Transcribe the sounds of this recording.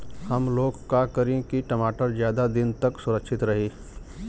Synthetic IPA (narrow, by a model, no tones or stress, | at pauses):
hɐmloːɡkakəɾẽkiʈɐmaːʈəɾzjaːd̪ad̪ɪnt̪ɐksʊɾəkʃɪt̪ɾɐɦiː